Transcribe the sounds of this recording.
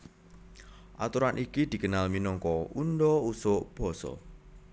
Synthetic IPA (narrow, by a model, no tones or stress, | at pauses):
ʔa̰t̪uɾanʔikid̪̥i̤kənalminɔŋkɔund̪ɔusʊʔb̥ɔ̤sɔ̰